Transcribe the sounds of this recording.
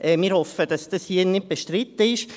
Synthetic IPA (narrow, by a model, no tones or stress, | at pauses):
ʔɛːmɪːɾhɔfəd̥ɑsd̥ɑshiːənɪd̚b̥eʃtɾɪt̪ːəɪʃ